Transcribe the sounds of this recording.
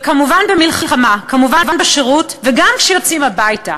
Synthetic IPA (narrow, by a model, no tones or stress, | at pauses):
kamuvanbemilχalχamakamuvavanbeʃeʁutveɡamkʃɛjot͡simhabajta